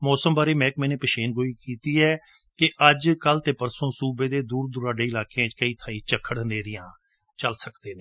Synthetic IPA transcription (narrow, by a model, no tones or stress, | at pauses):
mɔːsəmbaːɾeːmɛ̃ːkmɛ̃ːneːpəʃeːnɡoːiːkiːt̪iːɛː | kɪʔəd͡ʒkəlt̪eːpəɾsõːsuːbeːd̪eːd̪uːɾd̪ʊɾaːɖeːɪlaːkeãːt͡ʃkəiːt̪ʰaːĩːt͡ʃəkʰːəɽneːɾɪjãː | t͡ʃəlsəkd̪eːneː